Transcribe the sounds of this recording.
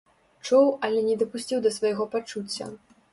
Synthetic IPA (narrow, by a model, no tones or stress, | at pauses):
t͡ʂuwɐlʲɛnʲɛd̪ɐpusʲt͡sʲiwd̪ɐsvɐjɣɔpat͡ʂut͡sʲːɐ̰